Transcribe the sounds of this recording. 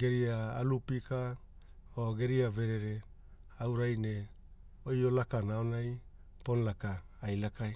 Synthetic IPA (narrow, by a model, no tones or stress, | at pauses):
ɡ̥e̞ɾiaːlupika | oɡe̞ɾiave̞ɾe̞ɾe̞ | awɾajne̞ | ojo̞lakanaonaj | po̞nlakaː | jlakaj